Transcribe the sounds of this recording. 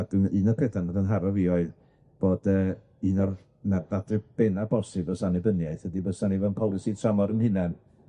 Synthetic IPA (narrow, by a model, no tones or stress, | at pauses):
adniːnɔkʰəθanadənɦaɾɔvioɨð | b̥oːdə | iːnɔr | mɛrdadrɨb̥enabɔsɨbɔsanibənjajθhədibəsanivɛnpʰɔlˠɪsitʰramɔɾənhɨnɛn